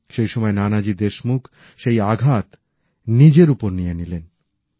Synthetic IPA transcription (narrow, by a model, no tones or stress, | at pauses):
ʃejʃɔmɔenanad͡ʑid̪eʃmukʰ | ʃejaɡʱat̪ | nid͡ʑeɾupoɾnijenilen